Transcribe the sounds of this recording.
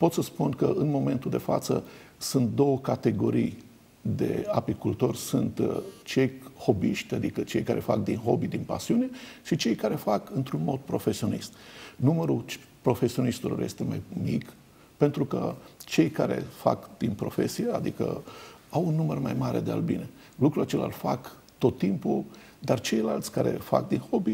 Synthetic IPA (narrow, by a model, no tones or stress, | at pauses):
po̞t̪səspunkəɨnmo̞me̞nt̪uld̪efa̰t̪sə̰sunt̪̚d̪o̞wəkat̪e̞ɡo̞ɾij | d̪e̞̰apikult̪o̞rʲsunt̪t͡ʃe̞jho̞biʃt̪ʲad̪ikət͡ʃe̞jkaɾʔe̞fa̰k̚d̪inɦo̞bid̪inpa̰siuneʃit͡ʃe̞jkaɾe̞fakɨnt̪ɾunmo̞d̪̚pɾo̞fe̞sio̞nist̪numəɾut͡ʃ | pɾo̞fe̞sionist̪ulorje̞̰st̪e̞majmik | pe̞nt̪ɾukət͡ʃe̞jkaɾe̞̰fa̰kd̪̥inpɾo̞fe̞sijead̪ikə̰ | awunːumərmajmaɾe̞̰d̪ea̰lbḭne̞ | lukɾulat͡ʃe̞la̰lfak | t̪o̞t̪ːimpu | d̪art͡ʃe̞jlalt̪sʲkaɾe̞̰fa̰k̚d̪inho̞bi